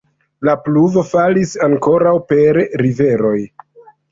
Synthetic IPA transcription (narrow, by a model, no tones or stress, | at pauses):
lapluvo̞falisaŋko̞ɾawpe̞ɾːive̞ɾo̞j